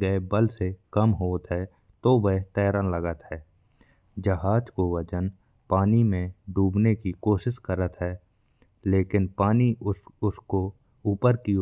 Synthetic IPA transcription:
ɡəebəlsekəmɦoːt̪ɦɛː | t̪oʋet̪ɛːɾanləɡət̪ɦɛː | d͡ʒəɦaːd͡ʒkoʋəd͡ʒən | paːnimẽɖuːbnekikoːʃɪʃkəɾət̪ɦɛː | leːkɪnpaːniʊsko | uːpəɾki

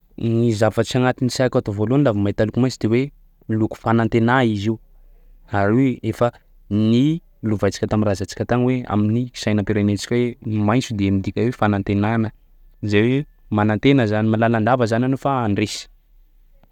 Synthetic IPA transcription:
nizavət͡ʃaŋat̪inisakʲat̪ovoloanlavamaet̪alukumajt͡sd̪̥ewe | luku̥fanant̪enaizi | aɾiefə | ni | luvajt͡si̥kʲət̪amirazat͡si̥kʲət̪aŋwea̰minii̥sajnəmpiɾenet͡ʃi̥kʲwemajnt͡sud̪emid̪ikʲawefanant̪enanə | zawe | manant̪enəzanimalaland̪avəzananofaːɳɖ͡ʐesi̥

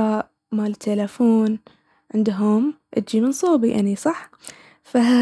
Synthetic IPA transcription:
aːʔ | maːlɪt̪ʰːalafuːn | ʕɪnd̪ɦʊmʔɪ̰t̪̚d͡ʒimɪnsˤuːbiʔa̰nisˤɑħ | faɦa

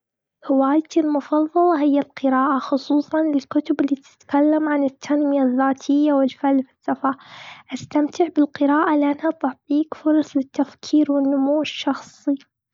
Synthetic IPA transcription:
hɪwaːjt̪ilmʊfɑðˤːɑlɑɦɪjːalqɨɾaːʔaxʊsˤuːsˤɑnlɪlkʊt̪ʊbɪlːiːt̪ɪ̥t̪kalːamʕanɪt̪ʰːanmɪjaðːaːt̪ʰɪjːawɪlfalfɪsːɑfaʔast̪amt̪ɪʕbɪlqɨɾaːʔalɪʔanhat̪ɑħbiːkfʊɾˤɑsˤlɪt̪ːafkʰiːɾwɪnːʊmuːʃːɑxsˤi

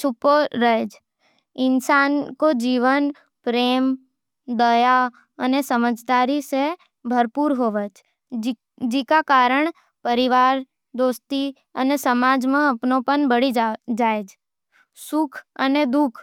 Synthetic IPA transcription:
t͡ʃʰʊpːoɾəɦed͡ʒ | ɪnsaːnkod͡ʒiːʋən | pɾeːm | d̪əja | ənesəməd͡ʒd̪aːɾise | bʱəɾpuːɾɦoːʋət͡ʃ | d͡ʒɪkakaːɾəɳ̃ | pəɾɪʋaːɾ | d̪oːst̪i | ə̰nesəmaːd͡ʒmẽəpnopənbəɽid͡ʒaːed͡ʒ | sʊkʰə̰ned̪ʊkʰ

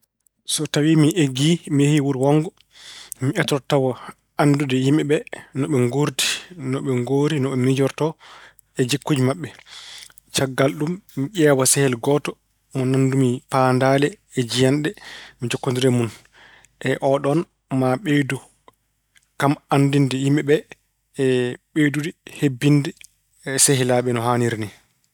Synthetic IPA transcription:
sɔtawimiʔeɡimiehiwuɾwɔŋɡɔ | miɛtɾɔtawɔ | andudɛjimɛɓɛnɔɓɛŋɡuɾti̥nɔɓɛŋɡoɾinɔɓɛmid͡ʒɔɾtɔ | ɛd͡ʒikːud͡ʒimaɓːɛ | t͡ʃaɡːalɗumːiʔɛːwasɛhɛlɡɔtɔ | mɔnandumipandaːlɛː | d͡ʒijanɗɛmid͡ʒɔkːondiɾɛmun | ʔɛʔɔɗɔn | maɓejdu | kamandindɛjimɛɓɛː | ɓedudihebːindɛ | seɦilaɓɛnɔɦaniɾni

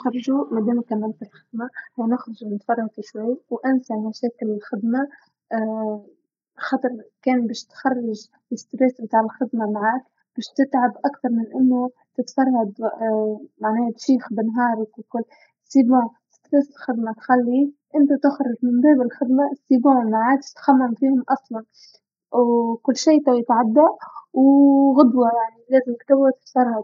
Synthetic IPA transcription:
xɑɾˤʒumad̪eːmkamːalfɪlxɪd̪mahawnɪxɾˤɑʒnɪt̪fɑrˤːɑd̪ɪʃwajːwʔansaʕmaʃeːkɪlɪlxɪd̪ma | xɑt̪ˤɑɾˤkeːnbeːʃt̪xɑrˤːɪʒ | lɪst̪ɾeːsbɪt̪aːʕɪlxɪd̪mamaʕaːk | b̥eːʃt̪ɪt̪ʕabʔakt̪ɑɾˤmɪnʔɪnːʊ | t̪ɪt̪fɑrˤːad̪ | maʕneːʃiːxbɪnɦɑːɾˤkwkʊlː | sːibõː | st̪ɾeːsɪlxɪd̪mat̪xalːiʔɪnt̪at̪ɪxɾˤɪʒmɪmbeːbɪlɪlxɪd̪masːibõːmaʕaːk̪t̪xamːamfiːhʊmʔɑsˤlɑn | wkʊlːʃiːt̪awɪt̪ʕad̪ːaʔwɣʊd̪wɑjaʕnileːzɪmkt̪awːat̪ɪ̥t̪fɑɾˤhad̪

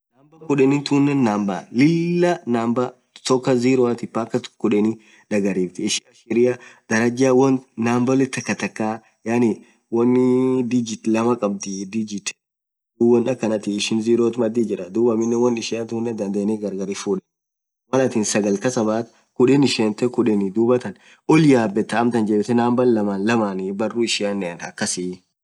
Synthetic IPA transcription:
naːmbɐkʊᶑɛnɪnt̪uːnːɛnːaːmba̰ːlɪlːɐnaːmbɐ | t̪ɔkːɐziːɾot̪ɪpaːkːɐt̪kʊᶑɛnɪ | ᶑɐɡɐɾiːft̪ɪɪʃɪɐʃɪɾɪjɐd̪̥ɐɾɐd͡ʒaːwɔnnaːmbɐlɪt̪ːɐkːɐt̪ɐkːaː | jaːnɪ | wɐnːɪd̪id͡ʒɪt̪lɐmɐkʼɐb̚t̪ɪd̪id͡ʒɪt̪ | d̪uːbɐnɐkːɐnɐt̪ɪɪʃɪnziːɾoːt̪mɐd̪id͡ʒɪɾɐd̪uːbɐmɪnːɛwɐnːɪʃɪɐnt̪hʊnːɛd̪ɐnd̪eːnɪɡɐɾɡɐɾifuːᶑɛ̥ | wɐnɐt̪iːnsɐɡɐlkɐsɐmaːt̪ | kʊᶑɛnɪʃeːnt̪ɛkʊᶑɛnɪd̪uːbɐt̪ɐn | ɔljaːbːɛt̪ːɐːmt̪ɐnd͡ʒeːbɪt̪ɛnaːmbɐllɐmaːnlɐmaːnibɐrːuːɪʃɪɐnːɛɐnɐ̰kːɐsɪ

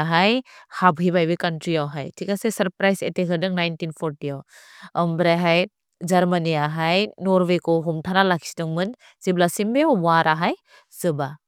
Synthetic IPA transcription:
aɦajhabɦibajbikantɾiawɦajtʰikasesɐɾpɾajzetekʰɯdɯŋnajntinpʰɔɾtiawəmbɾajɦaj | d͡ʒaɾmaniaɦajnɔɾbekɔwɦɔmtʰanalakʰi̥si̥dɯŋmɯn | z̥iblasimbewaɾʔaɦaj | zɯba

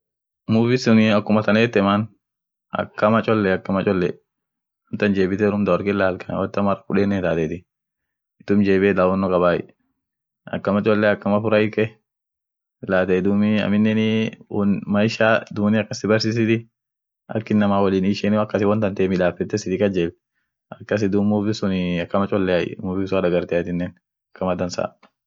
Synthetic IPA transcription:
muːfɪsʊnɪɐkːʊmɐt̪ɐneːt̪ːɛman | ɐ̰kːɐmɐt͡ʃʼɔlːɛɐkːɐmɐt͡ʃʼɔlːɛ | ɐmt̪ɐnd͡ʒeːbɪt̪ɛɾʊmd̪ɐwɔɾkɪlːaːlkɐn̰wɔt̪ːɐmɐrɐkʊᶑeːnːɛnt̪aːt̪ɛt̪ɪ | ɪt̪ːʊmd͡ʒeːbeːd̪awɔnːɔkʼɐβaːjɪ̰ | ɐ̰kːɐmɐt͡ʃʼɔlːɛɐkːɐmɐfʊɾɐɪkɛ | laːt̪ɛd̪uːmɪɐ̰mɪnːɛnɪnmɐɪʃaːd̪uːnɪɐkːɐsɪbɐɾsiːs̬ɪt̪ɪ | ɐ̰kːɪnːɐmaːwɐliːnɪʃɛnɪɐkːɐsɪwɔnt̪ɐnt̪ɛːmɪᶑaːfɛt̪ːɛsɪd̪ɪkɐd͡ʒɛl | ɐkːɐs̬ɪd̪umʊbɪsʊnɪɐkːɐmɐt͡ʃʼɔlːɛajɪ̰mʊbɪsʊadɐɡɐɾt̪ɪat̪ɪnːɛn | ɐkːɐmɐd̪ɐnsa̰ː

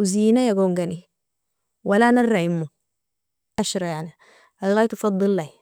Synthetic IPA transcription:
ziːnajaɡoŋɡani | walanarːaimːu | ʔaʃɾˤɑjaʕni | alɣaːjt̪ufɑd̪ˤːɨlːaj

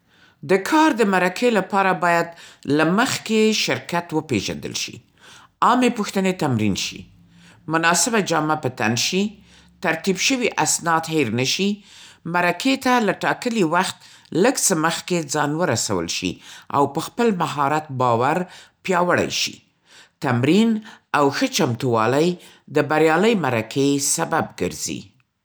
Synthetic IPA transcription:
d̪əkʰɑɾd̪əmaɾakʰelapɑɾabɑjad̪laməxkeʃɪɾkat̪wəpeʒa̰nd̪ə̰lʃḭ | ɑmepuxt̪ənet̪amɾḭnʃḭ | mʊnɑsɪbad͡ʒɑmapət̪a̰nʃi | t̪aɾt̪ibʃəwiʔasnɑt̪heɾnəʃimaɾaket̪alaʈɑkəliwaxt̪ləɡt͡səməxked͡zɑnwəɾasa̰wə̰lʃḭa̰wpəxpəlmaɦɑɾat̪̚bɑwaɾpjɑwəɽa̰jʃḭ | t̪amɾinawxət͡ʃamt̪uwɑlaj | d̪əbaɾjɑləjmaɾakʰesababɡə̰ɾzḭ

